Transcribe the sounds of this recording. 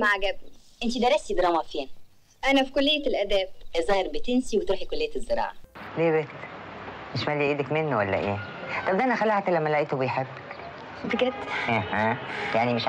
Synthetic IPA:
maʕaɡæb̚ʔent̪id̪æɾˤæst̪id̪ɾˤɑːmɑfeːn | ʔænæfi̥kolːejːælʔæd̪æːbʔæzˤɑːɾˤbet̪ensiwet̪ɾuːħikolːejæzːeɾˤɑ̰ːʕɑleːbet̪ː | meʃmælːiʔeːd̪ækmenːowælːæ̰ʔeː | t̪ˤɑbd̪æʔænæxælaʕt̪lːæmːælæʔiːt̪obejħebːæk | fekɾæt̪ʔæhæjaʕnimeʃ

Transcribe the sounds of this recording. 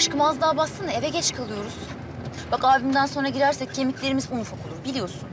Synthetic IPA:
aʃkɯmazd̪ˠaːbasɯnd̪evɛɟɛt͡ʃkʰalˠɯjo̞ɾuz̥ | b̥akaːbimd̪ænso̞nɾaɟiɾæɾsɛc̚cʰːe̞miclʲe̞ɾimizunfakʰolˠuɾbilʲijo̞sun

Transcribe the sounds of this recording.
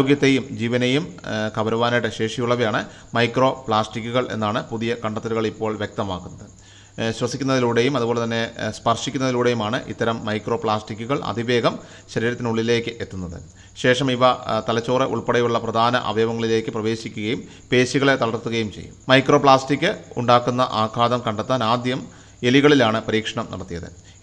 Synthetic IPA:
oɡjɐt̪ːe̞jumd͡ʑiːʋɐnejumkɐʋɐɾɐʋaːnajɽeɕe̞ːʂɐjuɭːɐʋejaːɳɨ | mɐjkro̞ːpɭaːsʈikʲːuɣɐɭʔe̞̰nːaːɳɨpuðijɐkɐɳɖɐt̪ːɐɾuɣɐɭipːo̞ːɭʋjek̚t̪ɐma̰ːkːunːɐðɨ | ɕwɐsikʲːunːɐðiluːɽejumɐðubolet̪ɐnːe̞spɐrʂikʲːunːɐðiluːɽejumaːɳɨʔḭt̪ːɐɾɐmːɐjkro̞ːpɭaːsʈikʲːuɣɐɭɐ̰d̪ʱiʋe̞ːɡɐm | ɕɐɾiːɾɐt̪ːinuɭːile̞ːkːɨʔe̞t̪ːunːɐðɨ̰ | ɕe̞ːʂɐmiʋɐt̪ɐlɐt͡ɕːoːreʔṵɭpeɽɐjuɭːɐprɐd̪ʱaːnɐ̰ʔɐ̰ʋɐjɐʋɐŋːɐɭile̞ːkːɨprɐʋe̞ːɕikʲːuɣɐjum | pe̞ːɕuɣɐɭe̞t̪ɐlɐrt̪ːuɣɐjumt͡ɕejːummmɐjkro̞ːpɭaːsʈikʲːɨṵɳɖaːkːunːɐ̰ʔaːkʰaːd̪ɐmkɐɳɖɐt̪ːaːnaːd̪jɐm | e̞liɣɐɭilaːɳɨpɐɾiːkʂɐɳɐmnɐ̰ɽɐt̪ːijɐðɨ̰

